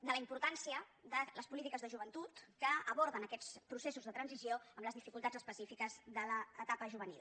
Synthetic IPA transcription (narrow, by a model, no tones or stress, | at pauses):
d̪ələimpuɾt̪ansiəðələspulit̪ikəzðəʒuβənt̪ut̪kəəβɔɾðənəkɛt͡spɾusesuzðət̪ɾənzisioəmləzðifikulˠt̪ad͡zəspəsifikəzðələːt̪apəʒuβ̞ənḭlˠ